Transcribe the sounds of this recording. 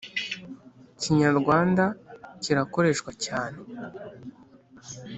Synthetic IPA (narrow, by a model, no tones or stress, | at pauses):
ciɲaɾɡwaːndaciɾako̞ɾe̞ʃkwacaːne